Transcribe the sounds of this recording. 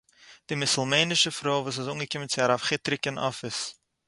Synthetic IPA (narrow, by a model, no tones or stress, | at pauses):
d̥imɪsʊlˠmeɪnɪʃəfɾoːvuːs̬ɪsuːŋɡəkɪmənt͡sɪaɾafχɪtɾɪkənʔɔ̰fɪs